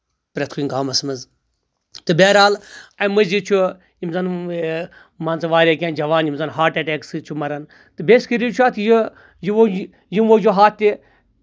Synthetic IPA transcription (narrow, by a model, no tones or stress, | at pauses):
pɾɐt̪ʰkʰuiŋɡaːmɐsmɐz | t̪ɨbeːɾaːlɐmɨzit͡ʃʰu | imzɐn | maːnt͡sɨʋaːɾʲaːkʲẽːnd͡ʒɐʋaːnjimzɐnɦaːʈeʈeːksɨt͡ʃʰumɐɾɐn | t̪ɨbeːskiɾit͡ʃʰuaːt̪ʰji | jiʋo | jimʋoːd͡ʒoɦaːt̪ʲːi